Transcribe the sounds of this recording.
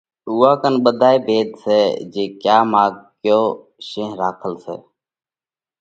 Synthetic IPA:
uːaːkənɓəd̪ʱaːeːbʱeːd̪sḛːd͡ʒeːkjaːmaːɡ̚kjoː | ʃẽːɦɾaːkʰəlsḛː

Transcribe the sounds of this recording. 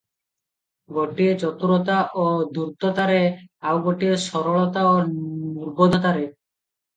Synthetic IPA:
ɡoʈiet͡ɕɔt̪uɾot̪aʔod̪uɾt̪ot̪aɾeawɡoʈieʃɔɾoɭɔt̪aonuɾbod̪ʱot̪aɾe

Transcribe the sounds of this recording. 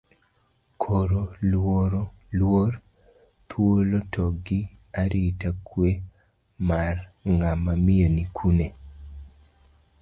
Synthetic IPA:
kʰoɾolwoɾo | lwor | t̪ʰwolotʰɔɡɪ | aɾʔitakwe | marŋamamionikʰune

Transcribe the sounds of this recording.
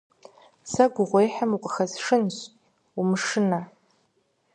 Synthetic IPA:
saɡʷʊʁʷejħamuqʼxazʂɨnɕʷ | umʂɨna

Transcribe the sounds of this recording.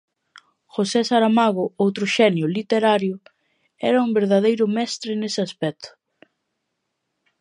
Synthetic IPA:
xosɛsaɾamaɣʊowt̪ɾʊʃɛnjʊlit̪eɾaɾjʊ | ɛ̰ɾɐumbeɾðað̞ejɾʊmɛst̪ɾɪnesɪaspɛt̪ʰʊ̥

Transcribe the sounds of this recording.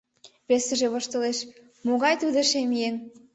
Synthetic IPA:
βesĕʒĕβoʃt̪ɤ̆leʃ | moɣɑjt̪ud̪ə̆ʃemijen

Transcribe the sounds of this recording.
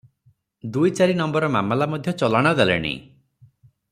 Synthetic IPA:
d̪ujt͡ʃaɾinɔmbɔɾɔma̰malamɔd̪ʱjɔt͡ʃɔlaɽ̃ɔd̪alḛɽ̃ḭ

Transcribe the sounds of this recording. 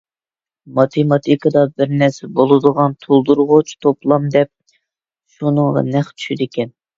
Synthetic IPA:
mɑt̪ʰemɑt̪ʰikɑd̪ɑbɪɾnɛɾsɛbolˠɨd̪əʁɑnt̪ʰolˠd̪uɾʁʊt͡ʃʰt̪ʰoplˠɑmd̪ɛp̚ | ʃunəŋʁɑ̰nɛχt͡ʃ̪ʰy̥ʃyd̪ɪkʲɛn

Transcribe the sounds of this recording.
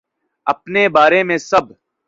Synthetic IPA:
ɐpnebaːɾemẽsɐb

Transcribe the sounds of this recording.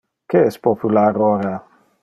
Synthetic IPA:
keɛspopulaɾoɾa

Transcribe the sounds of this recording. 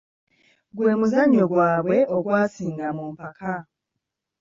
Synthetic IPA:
ɡwe̞ːmuzaɲoɡwaːβwe̞ʔoɡwaːsiːŋɡamumpakʰa

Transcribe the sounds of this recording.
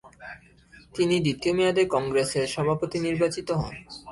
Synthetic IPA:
t̪inid̪it̪iomiad̪ekɔŋɡɾeseɾʃɔbʱapot̪iniɾbat͡ɕit̪oɦɔ̰n

